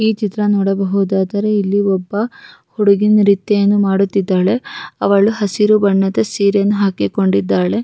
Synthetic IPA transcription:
iːt͡ʃit̪ɾɐnoːɽɐbɐɦud̪aːd̪ɐɾeilːiɔbːɐhuɽuɡinɾit̪ːejɐnːumaːɽut̪ːid̪ːaːɭe̞ɐ̰ʋɐɭuɦɐsiɾubɐɳːɐd̪ɐsiːɾjɐnːuɦaːkiko̞ɳɖid̪ːaːɭe̞

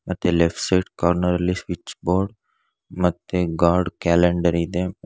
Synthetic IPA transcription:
mɐt̪ːelefʈsaːʈkaɾnəɾɐlisʋit͡ʃːboːɾɖ | mɐt̪ːeɡaːɾɖkɛːleɳɖəɾid̪e

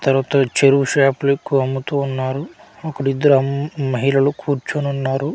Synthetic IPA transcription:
t̪ɐɾʋaːt̪ɐt͡ʃeɾuʋuʃaːplikːuɐmːut̪uːnːaːɾuɐkːɐɽid̪ːɐɾuɐmɐɦilɐlukʰuːɾt͡ʃununːaːɾu

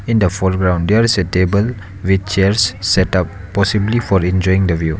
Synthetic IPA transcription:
ɪ̃nd̪əfɔlɡɾãʊ̃nɖdɛɹisetebəl | ʋit͡ʃt͡ʃɛɹsːɛtap̚ːɔsiblifɔɾɛ̃nd͡ʒɔjĩŋd̪əvju

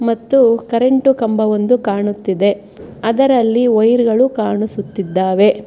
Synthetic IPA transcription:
mɐt̪ːukɐɾeɳʈukɐmbɐʋond̪ukaːɳut̪ːid̪e̞ | ɐd̪ɐɾɐlːiɐjɾɡɐɭukaːɳusut̪ːid̪ːaːʋe̞

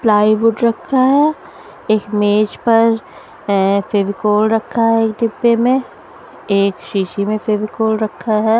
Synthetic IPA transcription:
plaːibʊʈɾɐkʰːaɦɛː | eːkmeːd͡ʒpɐɾ | febikoːlɾɐkʰːaɦɛeːk̚ɖɪbːemẽ | eːkʃiːʃimẽfeːbikoːlɾɐkʰːaɦɛː

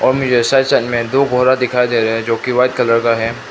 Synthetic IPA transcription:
ɔːɾmʊd͡ʒʱesasɐnmẽd̪oːɡʱɔːɾad̪ɪkʰaːid̪eːɾɐɦɛ̃d͡ʒoːkiʋaːɪd̪̚kɐləɽkaɦɛ

